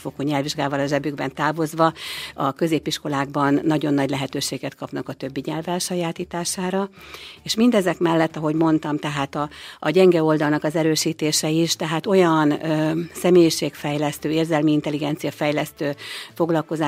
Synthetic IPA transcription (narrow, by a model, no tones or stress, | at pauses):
fokoɲɛlviʒɡaːvɒlɒʒɛbyɡbɛ̰nt̪aːvo̞zʋɒɒkø̞zeːpiʃko̞laːɡbɒnːɒɟo̞nːɒɟlɛɦɛt̪øːʃeːɡɛt̪kʰɒpnɒkɒt̪ø̞bːiɲɛlvɛlʃɒjaːt̪iːt̪aːʃaːɾɒeːʃmind̪ɛzɛkmɛlːɛt̪ːɒɦo̞ɟmo̞n̪t̪ɒmt̪ɛɦaːt̪ɒːɟɛŋɡɛo̞ld̪ɒlnɒkɒzɛɾøːʃiːt̪eːʃɛiʃt̪ɛɦaːt̪o̞jɒnøsɛmeːjiʃeːkfɛjlɛst̪øːeːrzɛlmiint̪ɛliɡɛnt̪sijɒfɛjlɛst̪øːfo̞ɡlɒlko̞zaː